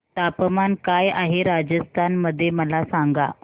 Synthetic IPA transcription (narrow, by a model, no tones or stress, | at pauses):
t̪apəmankajaɦeɾad͡ʑəst̪ʰanməd̪ʱːjeməlasaŋɡa